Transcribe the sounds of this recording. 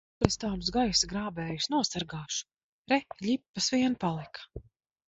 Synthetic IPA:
ɾɛst̪aːms̬ɡajsɡɾaːbɛːjusnuɔsaɾɡɑːʃu̥ | ɾɛʎʲipːasviɛnpalˠikḁ

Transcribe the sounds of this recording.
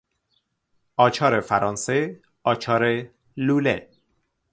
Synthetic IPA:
ɒːt͡ʃʰɒːɾefæɾɒːnse | ɒːt͡ʃʰɒːɾe | luːlḛ

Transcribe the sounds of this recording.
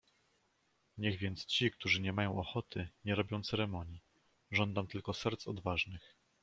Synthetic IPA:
ɲɛɣvʲjɛnt̪st͡ɕik̚t̪uʐɘɲɛmajɔ̃w̃ʔɔxɔt̪ʰɘɲɛɾɔbʲjɔ̃w̃t̪sɛɾɛmɔɲji | ʐɔnd̪amt̪ɘlkɔsɛɾt̪sɔ̰d̪vaʐnɘx

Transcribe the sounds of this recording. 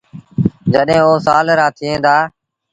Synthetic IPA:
d͡ʒəɗɦẽːoːsaːlɾãːt̪ʰɪːẽːd̪aː

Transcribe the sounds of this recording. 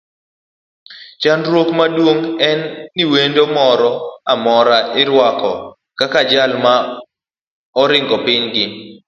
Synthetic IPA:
t͡ʃanɾwokmadwoŋɛnːiwendomɔɾɔamɔɾaʔɪɾwakɔ | kakad͡ʒalma | ɔɾɪŋɡɔpɪɲɡɪ

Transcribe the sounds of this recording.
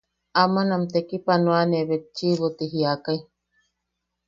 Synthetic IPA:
amanamt̪ekipanuaneβet̚t͡ʃiβot̪iɦiakai

